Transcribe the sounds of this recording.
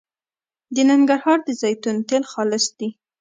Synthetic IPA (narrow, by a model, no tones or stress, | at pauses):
d̪ənaŋɡaɾhɑɾd̪əzɑjt̪unt̪elxɑlɪsd̪̥i